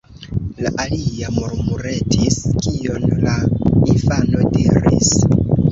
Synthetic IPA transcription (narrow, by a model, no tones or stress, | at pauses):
laʔaliamoɾmuɾe̞tʰiskio̞nlainfano̞diɾḭs